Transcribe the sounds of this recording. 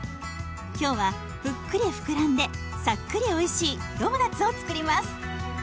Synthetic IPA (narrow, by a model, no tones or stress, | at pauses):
kʲo̞ːβa | b̥ɯ̟kːɯ̟ɾʲiɸɯ̟̥kɯ̟ɾãnd̪e̞ | sakːɯ̟ɾʲio̞iɕiːd̪o̞mɯd̪at͡sɨo̞t͡sɨ̥kɯ̟ɾʲimasɨ̥